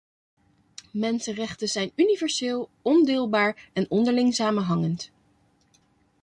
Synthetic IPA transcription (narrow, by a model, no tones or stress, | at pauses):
mɛnsənrɛχtəzɛjnynivɛɹseːlˠɔndɪːlˠbaːɹɛnɔndəɹlɪŋsaːmənɦɑŋənt